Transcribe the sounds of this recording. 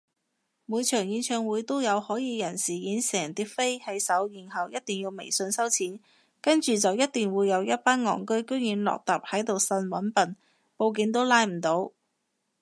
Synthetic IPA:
muː˨˧jt͡ʃʰœː˨˩ŋjiː˨˧nt͡ʃʰœː˧ŋwuː˨˥jt̪o˥wjɐ˨˧whɔː˨˥jiː˨˧jɐ˨˩nsiː˨˩jiː˨˥nsɛː˨˩ŋt̪iː˥k̚fe˥jhɐ˨˥jsɐ˨˥wjiː˨˩nhɐ˨wjɐ˥t̚t̪iː˨˩ŋjiː˧wmḛ˨˩jsɵ˧nsɐ˥wt͡sʰiː˨˥n | kɐ˥nt͡ʃyː˨t͡sɐ˨wjɐ˥t̪̚i˨ŋwuː˨˧jɐ˨˧wjɐ˥t̚paː˥nŋɔ̰ː˨˩ŋkɵ˥ɥkɵ˥ɥjiː˨˧nlɔ̰ː˨k̚t̪aː˨˩p̚hɐ˨˥jt̪o˨wsɐ˧nwɐ˨˥npɐ˨n | po˧wk̬iː˨˧ŋt̪o˥wlaː˧jm̩˨˩t̪o˨˥w

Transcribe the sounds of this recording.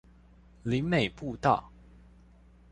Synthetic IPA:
li˨˦ŋme˨˩ɪpu˥˧t̪ɑ˥˨ʊ

